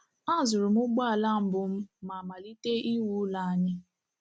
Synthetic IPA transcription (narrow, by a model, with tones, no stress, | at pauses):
a˦˨zʊ˨ɾʊ˨m̩˦ʊ˦ɡ͡ba˦a˨la˦m̩˨bʊ˨m̩˦ma˨ma˨li˦te˦i˦wu˦la˨a˨ɲɪ˦